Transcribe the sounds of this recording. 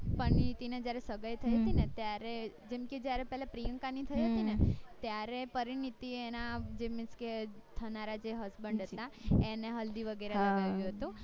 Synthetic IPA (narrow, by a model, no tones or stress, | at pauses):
pəninit̪ined͡ʒjaɾesəɡəjt̪ʰəiɦət̪inet̪jaɾed͡ʒemked͡ʒjaɾepɛɦlapɾijə̃ŋkanit̪ʰəiɦət̪inet̪jaɾepəɾinit̪ienad͡ʒemɪsket̪ʰənaɾad͡ʒeɦəsbəɳɖʱɦət̪aeneɦəld̪iʋəɡeɾeləɡaʋjũɦət̪ũ